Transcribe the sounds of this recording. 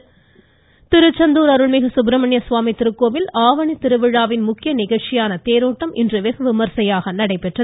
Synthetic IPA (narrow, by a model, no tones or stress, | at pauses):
t̪ɪɾɯt͡ʃːɐnd̪uːɾɐɾɯɭmɪɣɐsʊbɾɐmɐɳjɐsʋaːmit̪ɪɾɯkːoːʋɪlaːʋɐɳit̪ɪɾɯʋɪɻaːʋɪnmʊkːɪjɐnɪɣɐɭt͡ʃɪjaːnɐt̪eːɾoːʈːɐmʔɪndrɯʋɛɣɐʋɪmɐɾsɐjaːɣɐnɐɽɐɪpːɛʈrɐ